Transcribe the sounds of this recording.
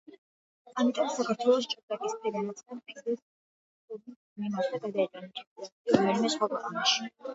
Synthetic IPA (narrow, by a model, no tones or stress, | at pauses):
amit̪ʼɔmsakʰaɾt̪ʰwɛlˠɔs̬t͡ʃʼut̪ʼakʼismid̪anat̪sʼapʼikd̪ɛs | kuɡi | minaɾd̪aɡad̪aɛt̪ʼanɛɾamd̪ɛnimɛsχwakʰwɛqʼanaʃi̥